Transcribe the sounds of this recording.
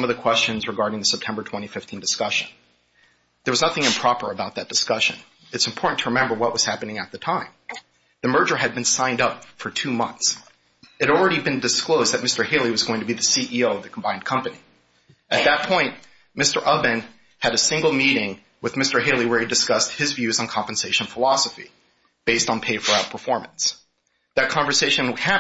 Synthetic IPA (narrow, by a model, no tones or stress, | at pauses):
sʌ̃mʌvðɨkʰw̥ɛst͡ʃɨ̃nzɹɨɡɑɹɾɪ̃ŋðɨsɛp̚tʰɛ̃mbə˞tʰw̥ɛ̃ɾ̃ifɪftʰĩndɨskʌʃɨ̰̃n | ðə˞wʌznʌθɪ̃ŋɨ̃mpʰɹ̥ɑpə̰˞ɨbaʊt̪̚ðɨt̚d̥ɨskʌʃɨ̃n | ɨtsm̩pʰɔɹʔn̩tʰəɹɨmɛ̃mbə˞wʌʔ̚wʌz̥hæpɨnɪ̃ŋɨt̪̚ðɨtʰãɪ̃m | ðɨmɜ˞d͡ʒə˞ɨd̚bɨ̃nsãɪ̃ndʌpfə˞tʰʉmʌ̰̃nθs | ɨɾl̩ˠɹɛɾibɨ̃ndɨskloʊzðɨt̚mɪstə˞hɪlˠiwʌzɡoʊɪ̃ŋtʰɨbiðɨsiʔioʊʌvðɨkʰm̩bãɪ̃n̚kʰʌ̃mpɨni | ʔɨt̪̚ðɨt̚pʰɔ̃ɪ̃nʔ | mɪstə˞ʔʌbɨ̃n | ɨɾɨsɪ̃ŋɡl̩ˠmiɾɪ̃ŋ | wɨðmɪstə˞ɦeɪlˠiwə˞idɨskʌst̚hɨzvjʉzn̩kʰɑ̃mpn̩seɪʃn̩fəlɑsəfḭ | b̥eɪstn̩pʰeɪfə˞aʊt̚pʰə˞fɔɹm̃ns | ðɨt̚kʰɑ̃ɱvə˞seɪʃɨ̃nhæ